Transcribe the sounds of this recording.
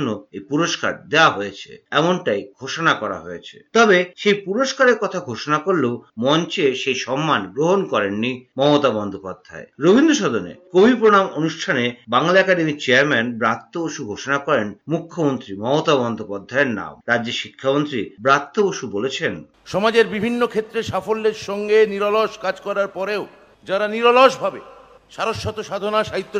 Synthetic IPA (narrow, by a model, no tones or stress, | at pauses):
nːoejpuɾoʃka̰ɾd̪eaɦojet͡ɕʰḛɛmonʈajɡʱoʃonakɔɾa̰ɦoet͡ɕʰe̥̰t̪ɔbeʃejpuɾoʃkaɾeɾkɔt̪ʰaɡʱoʃonakoɾlemɔnt͡ɕeʃejʃɔmːanɡɾoɦonkɔɾenːimɔmot̪abɔnd̪ʱopad̪ʱːa̰eɾobʱind̪ʱoʃ̬ɔd̪onḛkobʱipɾonamonuʃʈʰanebaŋlaɛkaɖemit͡ɕeaɾmɛnbɾat̪ːooʃuɡʱoʃonakɔɾenmukʰːomont̪ɾimɔmot̪abɔnd̪ʱopad̪ʱːaeɾna̰mɾad͡ʑd͡ʑeʃikʰːamont̪ɾibɾat̪ːooʃubolet͡ɕʰen | ʃɔmad͡ʑeɾbibʱinːokʰet̪ːɾeʃafolːeɾʃɔŋɡeniɾoloʃkad͡ʑkɔɾaɾpɔɾeo | d͡ʑaɾaniɾoloʃbʱabe | ʃaɾoʃːɔt̪oʃad̪ʱonaʃaɦit̪ːo